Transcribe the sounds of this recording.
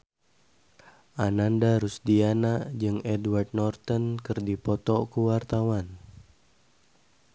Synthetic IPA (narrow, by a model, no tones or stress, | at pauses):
ʔanandaɾusdianad͡ʒɨŋɛdward̪̚nɔrt̪ɔnkɨrdipɔt̪ɔkuwart̪awan